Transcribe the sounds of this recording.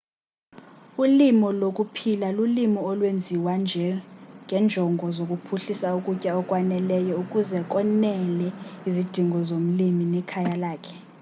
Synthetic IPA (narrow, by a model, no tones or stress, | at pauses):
ulimɔlokʼupʰilalulimɔɔlwend͡zʱiwand͡ʒʱɛŋʱɛnd͡ʒʱɔŋɡʱɔzokʼupʰuɬisaukʼucʼaɔkʼwanɛlɛjɔukʼuzɛk̬ʼɔnɛlɛizid̥ʱiŋɡʱɔzom̩liminɛkʰajalaːkʰɛ̥